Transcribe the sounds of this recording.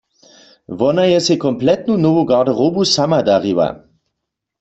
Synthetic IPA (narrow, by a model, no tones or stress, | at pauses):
ʋɔnajɛsɛkɔmplɛt̪nunovoɡadaʁobusamadaʁiwa̰